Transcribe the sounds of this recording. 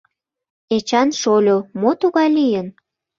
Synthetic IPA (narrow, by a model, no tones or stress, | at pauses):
et͡ɕɑnʃolʲomot̪uɣɑjlijən